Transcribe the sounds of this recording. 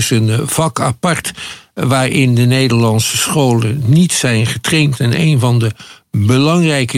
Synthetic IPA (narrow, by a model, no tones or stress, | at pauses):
sənv̥ɑkapɑɹtʋaːɹʔɪndənejdəɹlɑnsəsχowlənːitsɛjnχətrejntɛnḛjnvɑndəbəlɑŋrɛjkə